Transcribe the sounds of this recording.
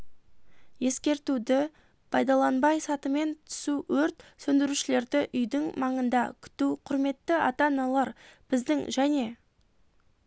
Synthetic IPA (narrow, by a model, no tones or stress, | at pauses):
je̞skʲe̞ɾt̪ud̪ɪ | pʰɑjd̪ɑlˠɑnbɑjsɑt̪əme̞nt̪ʰʏ̥suwɵɾt̪sɵnd̪ɪɾuʃɪle̞ɾd̪ɪʔʏjd̪ɪŋmɑɴənd̪ɑkʲʰʏ̥t̪uqʰʊɾme̞t̪ːɪɑt̪ɑnɑlˠɑɾb̥ɪzd̪ɪŋʒæne̞